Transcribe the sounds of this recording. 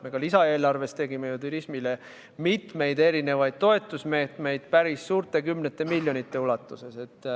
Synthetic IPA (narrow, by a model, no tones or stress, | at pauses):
me̞kɑlisɑe̞ːlɑrve̞st̪e̞ɡime̞jut̪uɾismile̞ | mit̪ˑme̞jd̪e̞ɾine̞vɑjd̪̥̚t̪o̞e̞t̪ːˑusme̞ːt̪ˑme̞jd̪̥pæɾisːuːrt̪ˑe̞kymnet̪ːˑe̞milʲjonit̪ːˑe̞ulɑt̪ːˑuse̞se̞t̪ːˑ